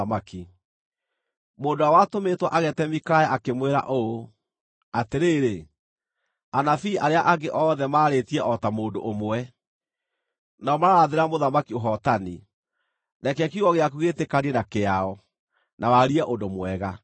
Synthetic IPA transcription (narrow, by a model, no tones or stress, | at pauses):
amaki | moːndoawatometwa̰ʔaɣɛtɛmikajaʔakemweɾa̰ʔoo | ateɾeːɾe | anafiːʔaɾeaʔaɡeʔɔðɛmaːɾetiɛʔɔtamoːndoʔomwɛ | naɔmaɾaaðeɾamoðamakioɦɔtani | nakɛkuɣɔɣeakuɣetekaɾiɛnakeaɔ | nawaɾiaʔondomwɛɣa